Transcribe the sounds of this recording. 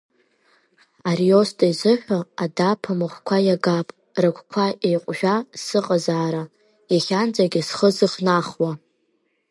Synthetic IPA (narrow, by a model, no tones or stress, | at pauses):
arjostʼajzɨħʷᶣaadapʰamɨχʷkʷʰajaɡapʼ | rɨkʷʰkʷʰaʔejqʷʼʒᶣʷasɨqʼazaːɾa | jaχʲand͡zʼaɡʲɪsχəzɨχnaχwa